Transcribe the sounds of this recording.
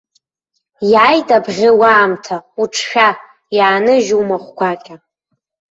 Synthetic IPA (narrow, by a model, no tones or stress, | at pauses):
jajtʼabʁʲɪwaːmtʰauʈ͡ʂʰʃᶣa | jaːnɨʒumaχʷkʷʰakʲʼa